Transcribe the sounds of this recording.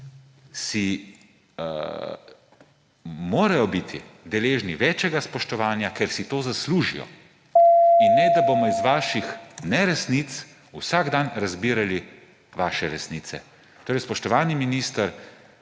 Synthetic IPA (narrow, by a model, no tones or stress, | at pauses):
si | moːɾajɔbit̪ʰi | d̪ɛleːʒniʋɛːt͡ʃɛɡaspɔʃt̪ɔʋaːnjakɛɾsit̪oːzasluːʒḭjɔ̰ | inːɛd̪abomɔizʋaːʃixnɛɾɛsnit̪s | usaɡd̪anɾazbiːɾali | ʋaːʃɛɾɛsniːt̪sɛ | t̪oːɾɛjspɔʃt̪ɔʋaːniminiːst̪əɾ